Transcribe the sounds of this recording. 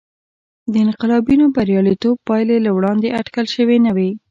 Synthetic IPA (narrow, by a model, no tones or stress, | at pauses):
d̪əɪnqɪlɑbinobaɾjɑlit̪ob̚pɑjlelawɽɑnd̪eʔaʈkəlʃəwenawe